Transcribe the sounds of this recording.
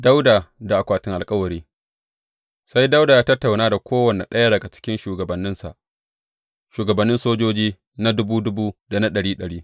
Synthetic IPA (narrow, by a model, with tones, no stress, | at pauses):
da˦wda˨da˨ʔa˨kʷaː˨tɪ˦ŋʔa˨lkʼɐ˦wɐ˨ɾiː˦ | sa˦jda˦wda˨jaː˦tɐ˦tːa˨wnaː˦da˨kʷʰoː˦wɐ˨nḛ˨ɗɐ˦ja˦ɽɐ˨ɡa˨t͡ʃɪ̥˦kʲɪ˦nʃuː˨ɡɐ˨bɐ˨nːɪ˦nsa̰˨ʔ | ʃuː˨ɡɐ˨bɐ˨nːɪ˦nsoː˦d͡ʒoː˦d͡ʒiː˦ | na˦dʊ˦buː˦dʊ˦buː˦da˨na˦ɗɐ˨ɽiː˦ɗɐ˨ɽiː˦